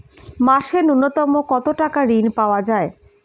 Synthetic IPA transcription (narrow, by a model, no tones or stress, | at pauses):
maʃenunːot̪ɔmokɔt̪oʈakaɾinpaoad͡ʑae